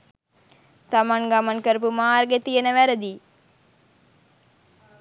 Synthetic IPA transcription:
t̪amaŋɡamankəɾəp̬umaːrɡet̪ijənəʋæɾəd̪i

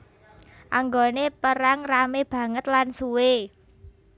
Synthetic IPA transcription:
ʔaŋɡonepəɾaŋrameb̥ä̤ŋət̪lansuwe

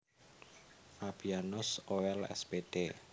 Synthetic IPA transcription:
ʔab̥ianʊsoɛlɛ̰sb̥eɖ̥e

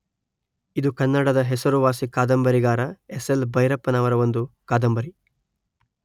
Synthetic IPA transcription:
id̪ukɐnːɐɽɐd̪ɐɦesɐɾuʋaːsikaːd̪ɐmbɐɾiɡaːɾɐeselbɐjɾɐpːɐnaːʋɐɾɐʋond̪ukaːd̪ɐmbɐɾi

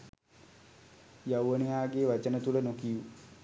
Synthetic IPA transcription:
jawʋəniɦaːɡeːʋat͡ʃənət̪ulənokiju

